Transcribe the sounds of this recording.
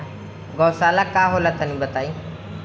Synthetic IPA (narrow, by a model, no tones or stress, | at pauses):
ɡɔːsaːlakaːɦolət̪ənĩbət̪aːiː